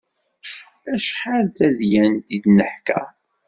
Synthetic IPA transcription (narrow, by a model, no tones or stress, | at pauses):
æʃħald̪æðjænt̪id̪nəħkæ̰